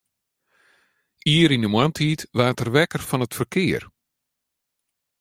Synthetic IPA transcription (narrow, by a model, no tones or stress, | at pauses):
iəɾindəmwamtʰiːtʋaːtərʋɛkərfɔnətfərkʰɪər